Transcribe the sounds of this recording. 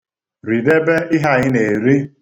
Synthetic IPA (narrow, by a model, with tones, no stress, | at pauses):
ɾi˨de˦be˦ʔɪ˦ɦa˦˨ɣɪ˦ne˨ɾi˦